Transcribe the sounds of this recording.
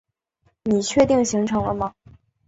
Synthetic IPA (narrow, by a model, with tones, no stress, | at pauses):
ni˨˩t͡ɕʰɥɛ˥˧t̪i˥˩ŋɕi˧˥ŋʈ͡ʂʰɤ˧˥ŋlə˧mɐ˧